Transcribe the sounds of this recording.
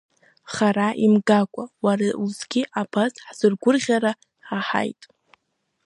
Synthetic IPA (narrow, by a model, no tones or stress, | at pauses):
χaɾaʔimɡakʷʼawarauzɡʲiʔapʰazħz̥ɨrɡʷʊrʁʲaɾa | ħaħa̰jtʼ